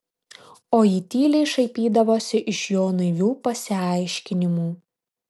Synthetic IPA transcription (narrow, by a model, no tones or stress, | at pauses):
oːiːt̪ʲiːlʲɛɪʃɐɪpʲiːd̪ɐʋoːsʲɪʔɪʃjoːnɐɪʋʲuːpɐsʲɪɐˑɪʃʲkʲɪnʲɪmuː